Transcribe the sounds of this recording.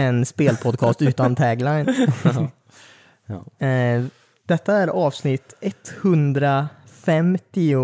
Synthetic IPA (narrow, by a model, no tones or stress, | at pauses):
ɛnspeːlpʰɔd̪̚kʰɑːst̪ʉ̟ːt̪ant̪ʰɛɡlajn | d̪̥ɛt̪ːaæɾɑːvsnɪt̪ːɛt̪ːhɵnd̪ɾafɛmt̪ɪʊ